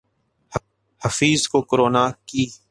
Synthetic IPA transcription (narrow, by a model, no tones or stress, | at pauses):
h | həfiːzkoːkʊɾoːnaːkiː